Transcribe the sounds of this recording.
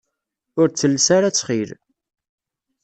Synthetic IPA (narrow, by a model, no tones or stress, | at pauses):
ʊɾt͡sːəlːsaɾat͡sːχiɾ